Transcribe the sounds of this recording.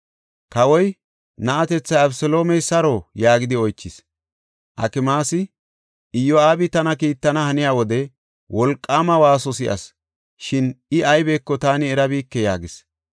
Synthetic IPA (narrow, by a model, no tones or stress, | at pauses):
kɐwɔj | nɐʔɐt̪ɛt͡sːɐjɐbsɔlo̞ːmɛjsɐɾojaːɡɪd̪ɪɔjt͡ʃːɪs | ʔɐ̰kɪmaːsɪ | ɪjːɔaːbɪt̪ɐnɐkiːt̪ːɐnɐhɐnɪjaːwɔd̪ɛ | wʔɔlkʼːaːmɐwaːsɔsɪʔɐ̰s | ʃɪnɪʔɐjbeːkːɔt̪aːnɪɛɾɐbiːkːɛjaːɡɪs